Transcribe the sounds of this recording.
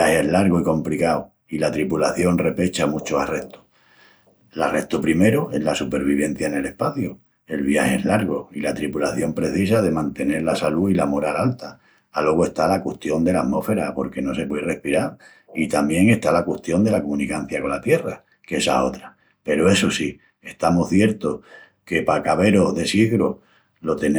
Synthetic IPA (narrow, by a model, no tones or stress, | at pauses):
aheezlaɾɣoiko̞mplikaw | ilat̪ɾipulaθjo̞nre̞pe̞t͡ʃamut͡ʃoare̞ht̪o̥ | lare̞ht̪opɾime̞ɾoe̞lasupe̞ɾβ̞iβ̞e̞n̟θjaene̞le̞hpaθju | e̞lβ̞jaheezlaɾɣ̞oilat̪ɾipulaθjo̞mpɾe̞θisað̞e̞mãnt̪e̞ne̞ɾlasaluilamo̞ɾalalt̪aː | lo̞ɣ̞oe̞ht̪alakweht̪jo̞nd̪e̞lat̪mo̞fe̞ɾapo̞ɾke̞no̞se̞pwe̞ðere̞hpiɾaɾ | it̪ambje̞ŋe̞ht̪alakweht̪jo̞nd̪e̞lakomũnikan̟θjako̞nlat̪je̞ra | ke̞sa̰o̞t̪ɾa | pe̞ɾoe̞sosi | e̞ht̪amohθje̞ɾt̪o | ke̞pakaβe̞ɾo̞ɦðe̞siɣɾo | lo̞t̪e̞n